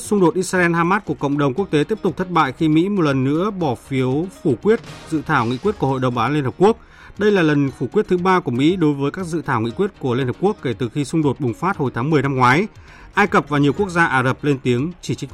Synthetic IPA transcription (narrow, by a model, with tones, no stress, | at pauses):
sʊ˧ŋ͡mɗo˨˩t̚ʔi˧saː˧ʔɛ˧nhaː˧maː˦˥t̚ku˧˩ə˩kə̰˧˨wŋ͡mɗə˨˩wŋ͡mku˦˥ək̚t̪e˨˦t̪i˦˥əpt̪ʊ˨˩k͡p̚t̪ʰə˦˥t̚ɓa̰ː˧˨jxi˧mḭ˧˥mo˨˩t̚lə˨˩nːɨ̰˧˥əɓɔ˧˩fi˨˦əwfu˧˩kwi˦˥ət̚zɨ̰˧˨t̪ʰaː˧˩wŋḭ˧˥kwi˦˥ət̚ku˧˩əho̰˧˨jɗə˨˩wŋ͡mɓaː˨˦li˧nhə˨˩p̚ku˦˥ək̚ | ɗə˧jlaː˨˩lə˨˩nfu˧˩kwi˦˥ət̚t̪ʰɨ˨˦ɓaː˧ku˧˩əmḭ˧˥ɗo˨˦jvəː˨˦jkaː˦˥k̚zɨ̰˧˨t̪ʰaː˧˩wŋḭ˧˥kwi˦˥ət̚ku˧˩əli˧nə˨˩p̚ku˦˥əkːe˧˩t̪ɨ˨˩xi˧sʊ˧ŋ͡mɗo˨˩t̚ɓʊ˨˩ŋ͡mfaː˦˥t̚ho˨˩jt̪ʰaː˨˦ŋmɨ˨˩əjna˧mŋwaː˨˦j | ʔaː˧jkə˨˩p̚vaː˨˩wɲi˨˩əwku˦˥ək̚zaː˧ʔaː˧˩zə˨˩p̚le˧nt̪i˨˦əŋt͡ɕi˧˩t͡ɕï˦˥